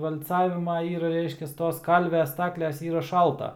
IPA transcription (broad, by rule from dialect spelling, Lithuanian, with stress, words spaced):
ʋɐlʲˈt͡sɑːʋʲɪmɐ ɪr ˈrʲɛɪʃʲkʲɛs ˈtoːs ˈkɐlʲʋʲɛ ˈstɑːklʲɛs ˈiːrɐ ˈʃɐlˠtɐ